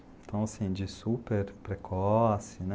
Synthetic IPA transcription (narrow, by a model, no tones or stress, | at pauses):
t̪õːsind͡ʒisupɛɾpɾɛkʰosin